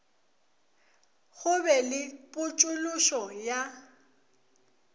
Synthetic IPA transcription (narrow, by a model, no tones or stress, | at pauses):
ɣʊbɛlɪpʼʊt͡ʃʼʊlʊʃɔja